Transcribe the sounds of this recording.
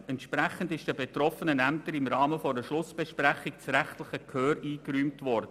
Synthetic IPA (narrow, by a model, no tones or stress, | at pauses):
ɛntʃpɾæχəndɪʃd̥əbetɾɔfənənæmtəɾɪmɾɑːməfɔəʃlʊsb̥ɛʃpɾæχɪk̚t͡sɾæχtləχəkhøːɾiːkɾyːmtʋɔɾd̥ə